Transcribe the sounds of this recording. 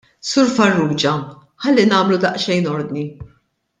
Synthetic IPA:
sʊɾfɐrːuːd͡ʒɐ | ħɐlːinɐːmlud̪ɐʔʃɛjnɔɾd̪ni

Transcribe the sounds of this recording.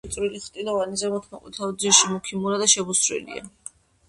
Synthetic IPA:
t̪sʼɾiliχt̪ʼilɔvanizɛmɔt̪ʰmakʼwḭt̪ʰaɔd̪ziʃimukʰimuɾad̪aʃɛbusɾɛ̰lḭa̰

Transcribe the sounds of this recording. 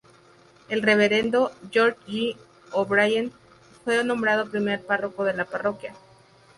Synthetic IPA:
e̞lre̞β̞e̞ɾe̞nd̪oʝoɾʎi | oβɾajan | fwe̞nõ̞mbɾað̞opɾime̞ɾparo̞ko̞ðe̞laparo̞kja

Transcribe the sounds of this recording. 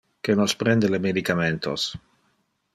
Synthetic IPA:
kenospɾend̪elemed̪ikament̪ʰo̰s

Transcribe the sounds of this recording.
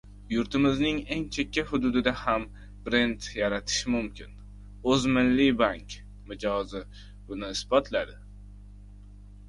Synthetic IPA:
jʊɾt̪ɪmɪznɪŋe̞ŋt͡ʃʰe̞kʲːahʊd̪ʊd̪ɪd̪aham | b̥ɾe̞nt̪jaɾat̪ʰɪ̥ʃɪmʊmkʲʰɪn | ɵzmɪlːibaŋkʲ | mɪd͡ʒɒzɪ | bʊnɪːsbɒt̪ʰlad̪ɪ

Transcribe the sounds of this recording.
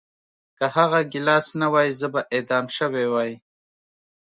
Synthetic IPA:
kahaɣaɡɪlɑsnawɑjizəbaʔed̪ɑmʃəwewɑji

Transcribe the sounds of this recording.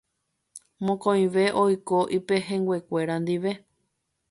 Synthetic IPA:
mõkõĩʋe̞ʔojkoʔipe̞ɦẽ̞ŋɡwe̞kʷe̞ɾand̪iʋe̞

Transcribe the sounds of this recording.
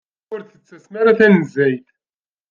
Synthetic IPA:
ʊɾθət͡sːæsmaɾaθænzæjd̪

